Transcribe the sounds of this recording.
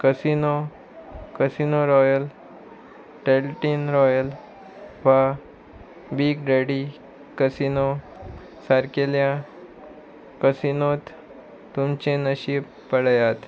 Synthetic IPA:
kəsino | kəsinoɾɔjəl | ʈelʈinɾɔjəl | ʋa | biːɡɖeɽi | kəsino | saɾkeljã | kəsinot̪ː | umt͡ɕenəɕiːb | pəɽjat̪

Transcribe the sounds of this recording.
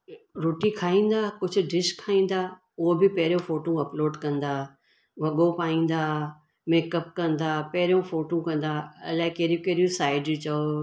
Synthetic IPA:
ɾoːʈikʰaːĩːn̆d̪aːkʊd͡ʑʱʊ̆ɖɪʃkʰːaːĩːn̆d̪aː | ʊɦobɪpɐɦɪɾijõfoːʈõɐploːɖkɐ̃nd̪aː | ʋɐɠopaːĩːn̆d̪aː | meːkəp̚kɐ̃nd̪aːpɐɦɪɾijõfoːʈũkɐ̃nd̪aːɐ̰laːɪkeːɾijõkeːɾijũsaːɪɖt͡ɕɐo

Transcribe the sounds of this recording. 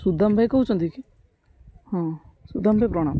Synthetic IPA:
sud̪ambʱaikəɦuːt͡ʃõːnd̪iki | hãːsud̪aːmbʱajpɾoːɽ̃ã̰ːm

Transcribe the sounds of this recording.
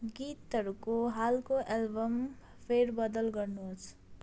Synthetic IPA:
ɡit̪ʌɾukoɦalkoʔelbʌm | pʰeɾbʌd̪ʌlɡʌrnuɦot͡sʰ

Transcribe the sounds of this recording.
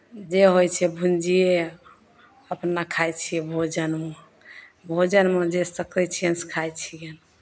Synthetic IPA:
d͡ʒeɦojt͡ʃʰɛbʱund͡ʒije | əpnakʰajt͡ʃʰijebʱod͡ʒənme | bʱod͡ʒənmẽd͡ʒesəkɾət͡ʃʰenskʰajt͡ʃʰijen

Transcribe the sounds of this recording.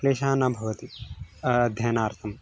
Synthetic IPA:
leːʃaːnabʱɐʋɐt̪i | ɐd̪ʱjɐːnaːɾt̪ʰɐm

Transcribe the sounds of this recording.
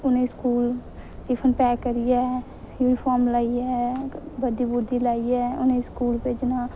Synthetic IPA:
ʊnẽskuːl | ipʰənpɛːkːəɾijɛ | juːnipʰɔːɾmlaːiɛbəd̪ibʊɾd̪ʱilaːiɛʊnẽskuːlpeːd͡ʒna

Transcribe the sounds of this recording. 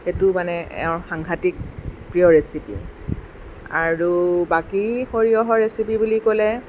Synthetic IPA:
xetumanɛɛ̰ɔ̃xaŋɡʱatik̚pɹiɔɹesipḭ | a̰ɹubakixoɹiɔɦɔɹɹesipibulikolɛ

